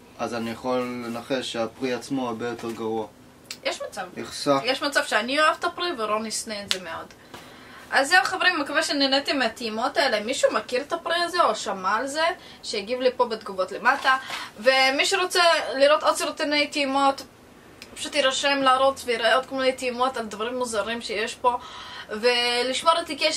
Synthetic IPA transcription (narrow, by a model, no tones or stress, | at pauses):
azanijaχolːenaχeʃeapʁiat͡smoabejoteʁɡaʁua | jeʃmat͡saviχʃafjeʃmat͡sav̥ʃeanioavt̪apɾivelo̞nisneːtze̞meo̞d | ʔazːeaχaveɾimmakaveʃeninet̪imeat̪imo̞taelemiʃumakiɾet̪apʁiaze̞oʃamalze̞ | ʃejaɡivlipo̞bet̪ɡuvot̪le̞matave̞miʃeʁo̞t͡seliɾo̞t̪odsiɾt̪inejtimo̞t̪ | pḁʃut̪iɾaʃemlaːɾot͡svejiɾeot̪kmunet̪imot̪ald̪vaʁimːuzaɾimʃejeʃpo̞ve̞liʃmo̞ɾet̪ikeʃ